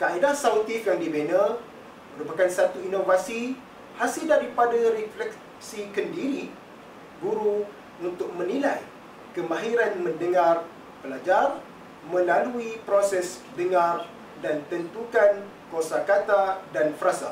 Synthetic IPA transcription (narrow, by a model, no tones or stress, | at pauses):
kaʔidahsaut̪ikjaŋdibena | məɾupakansat̪uinovasi | hasɪldaɾipadaɾiflɛk | sikəndiɾi | ɡuɾu | unt̪ʊk̚mə̃nĩlaj | kəmãɦiɾanmə̃ndəŋar | pəlad͡ʒar | mə̃laluipɾosɛsdəŋãr | dant̪ənt̪ukan | kosakat̪adanfɾasa̰